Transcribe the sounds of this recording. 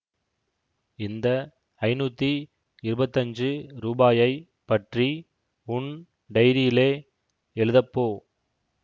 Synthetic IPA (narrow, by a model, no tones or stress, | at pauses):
ɪnd̪ɐ | ɐɪnuːt̪ːi | ɪɾɯbɐt̪ːɐɲd͡ʒɯɾuːbaːjɐɪ | pːɐʈri | ʊɳ | ɖɐɪɾɪjɪleː | ɛɻɯðɐpːoː